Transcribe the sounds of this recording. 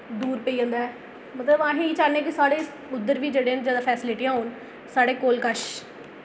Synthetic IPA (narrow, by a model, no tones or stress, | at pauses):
d̪uːɾpəiːə̃ːnd̪aːɛː | mət̪ləbãːɦẽːiːt͡ʃaːnẽːkɪsaːɽeː | ʊd̪ːəɾʋiːd͡ʒeːɽẽːnd͡ʒeːd̪ãːpʰɛːsɪlɪʈijãːɦoːn | saːɽeːkoːlkəʃ